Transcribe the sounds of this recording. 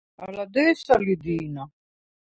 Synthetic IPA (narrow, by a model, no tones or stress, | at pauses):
alad̪ɛːsalid̪iːna